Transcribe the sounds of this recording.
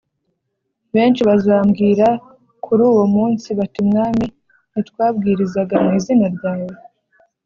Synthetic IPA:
βe̞ːnʃiβazaːmɡiːɾa | kʰuɾuːwo̞muːnsiβatimŋaːmi | nitwaːb̚ɡiːɾizaɡamniːzinaɾɟaːwo

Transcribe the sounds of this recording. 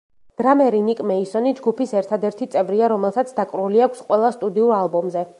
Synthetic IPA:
d̪̥ɾamɛɾinikʼmɛisɔnid͡ʒɡupisɛɾt̪ʰad̪ɛɾt̪ʰit̪sʼɛvɾiaɾɔmɛlˠsat̪sʰd̪akʼɾuliakʷʰsqʼwɛlˠast̪ʼud̪iuɾalˠbɔmzɛ

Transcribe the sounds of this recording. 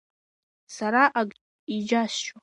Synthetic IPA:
saɾaʔaɡʼ | id͡ʒast͡ʃa

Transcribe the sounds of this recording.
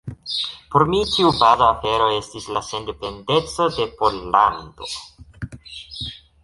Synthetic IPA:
po̞ɾmitiubazaːfe̞ɾo̞e̞stislase̞nde̞pe̞nde̞t͡so̞de̞po̞lando̞

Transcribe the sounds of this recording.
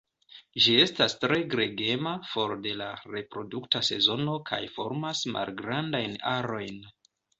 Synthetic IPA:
ʒie̞stastɾe̞ɡɾe̞ɡe̞mafo̞ɾde̞laɾe̞pɾo̞duktase̞̰zo̞no̞kʰa̰jfo̞ɾmasma̰lɡɾandajnaɾo̞jn

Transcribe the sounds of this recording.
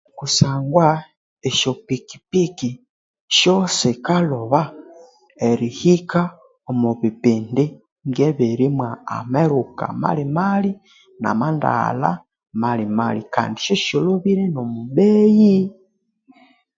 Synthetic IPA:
kusaŋɡwa | eʃopiki̥piki | ʃosikaloβa | eɾihika | omuβipindi | ŋɡeβeɾimwaa̰meɾuka̰ma̰limali | na̰manda̰la̰ | malimalika̰ːndiʃoʃoloβiɾenomubeji

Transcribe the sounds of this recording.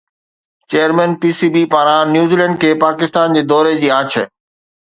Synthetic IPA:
t͡ɕeːəɾmɛ̃npiːsiːbipaːɾãnjuːzilɛ̃ːɳɖkʰeːpaːkɪst̪aːnd͡ʑeːd̪ɔːɾed͡ʑiːaːt͡ɕʰə

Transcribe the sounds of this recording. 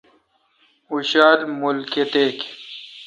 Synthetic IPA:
uɕaːd̪mulket̪ek

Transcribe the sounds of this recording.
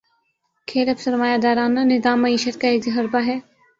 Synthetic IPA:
kʰeːləpsɐɾmaːjad̪aːɾaːnanɪzaːmːɐiːʃət̪̚kaeːkd͡ʒɐɦɐɾbaɦɛː

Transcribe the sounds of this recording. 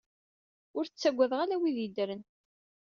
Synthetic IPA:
ʊɾθt͡sːæɡʷːæðʁalæwiðid̪ɾən

